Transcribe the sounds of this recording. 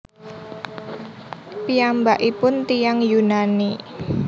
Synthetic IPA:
pijambaʔipʊnt̪ijaŋjunani

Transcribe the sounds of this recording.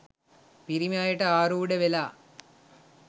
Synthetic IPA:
piɾimaːjɐʈɐaːɾuːɽeʋelaː

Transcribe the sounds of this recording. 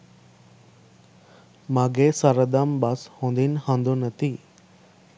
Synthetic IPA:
maːɡesaɾəd̪ambashõːnd̪inhãnd̪onɐt̪i

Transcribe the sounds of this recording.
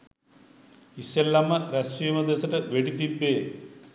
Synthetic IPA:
iɕelːɐmɐɾɐsujɐmɐd̪esɐʈɨʋeɽit̪ibːeː

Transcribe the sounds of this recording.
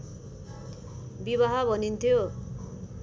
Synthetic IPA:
bibaɦabʱʌnint̪ʰjo

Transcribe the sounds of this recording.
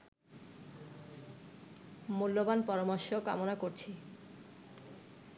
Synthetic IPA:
mulːobanpɔɾomoʃoka̰monakoɾt͡ɕʰi

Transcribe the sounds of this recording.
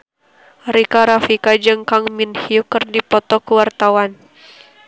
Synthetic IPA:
ɾikaɾafikad͡ʒɨŋkaŋminhiukɨrdipɔt̪ɔkuwart̪awan

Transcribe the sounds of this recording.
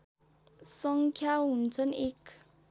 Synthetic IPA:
sʌŋkʰjaɦunt͡sʰʌnek

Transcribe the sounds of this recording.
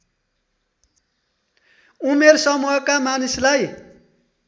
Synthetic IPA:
umersʌmuɦʌkamanislaj

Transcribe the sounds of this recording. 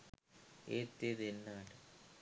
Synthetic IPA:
eːt̪ːeðenːaːʈɨ

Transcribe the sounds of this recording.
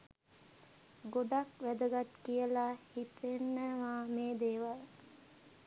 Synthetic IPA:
ɡoɖakʋæd̪əɡat̪kijəlahit̪enːəʋaːmeːd̪eːʋal

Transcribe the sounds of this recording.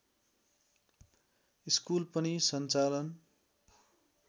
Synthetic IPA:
iskulpʌnisʌnt͡salʌn

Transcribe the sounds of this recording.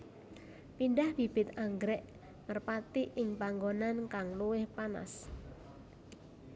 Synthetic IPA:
pinɖahb̥ib̥ɪt̪aŋɡɾɛʔ | ŋərpat̪iʔɪŋpaŋɡonankaŋluwɪhpana̰s

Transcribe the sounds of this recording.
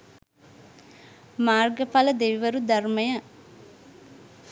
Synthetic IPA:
maːɾɡɐpaːlɐd̪eʋiʋɐɾud̪ɐɾmɐjɐ

